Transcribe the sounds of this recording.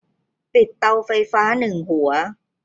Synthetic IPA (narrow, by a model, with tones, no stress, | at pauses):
pi˨˩t̪ːa˧wfa˧jfaː˦˥nɯ˨˩ŋhu˩˦ɐ